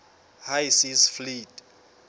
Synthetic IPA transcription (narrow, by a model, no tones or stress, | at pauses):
hajsisflitʼ